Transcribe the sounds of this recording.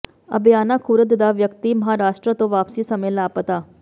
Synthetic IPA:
ə̰bjaːnaːkʰuːɾət̪d̪aːʋjəkt̪iːməɦaːɾaːʃʈɾət̪õːʋaːpsiːsəmẽːlaːpət̪aː

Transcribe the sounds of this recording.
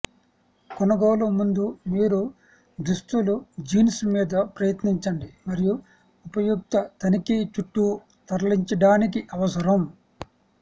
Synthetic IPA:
kɔnɐɡoːlɐmund̪umiːɾu | d̪ɾusʈ̪ulud͡ʒiːnsmiːd̪ɐpɾɐjɐt̪niɲt͡ʃɐɳɖimɐɾiju | upɐjuk̚t̪ɐt̪ɐnikit͡ʃuʈːu | t̪ɐɾɐliɲt͡ʃɐɖaːnikiʔɐʋɐsɐɾɐm

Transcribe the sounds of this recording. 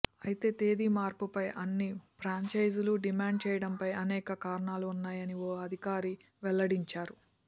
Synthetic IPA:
ɐjit̪e̞ːt̪eːd̪imaːɾpupɐjʔɐnːipʰɾaːɲt͡ʃɐjd͡ʒuluɖimaːɳɖ̚t͡ʃɛːjɐɽɐmpɐjɐnɛːkɐkaːɾɐɳaːluːnːaːjɐnioːɐd̪ʱikaːɾi | ʋɛlːɐɽiɲt͡ʃaːɾu

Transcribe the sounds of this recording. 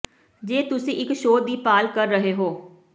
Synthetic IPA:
d͡ʒeːt̪ʊsĩːʔɪkʃoːd̪iːpaːlkəɾːəɦeːɦoː

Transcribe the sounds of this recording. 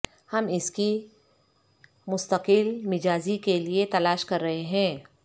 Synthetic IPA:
hɐmɪski | mʊst̪əqɪlmɪd͡ʒaːzikeliet̪ɐlaːʃkɐɾːɐɦeɦɛ̃ː

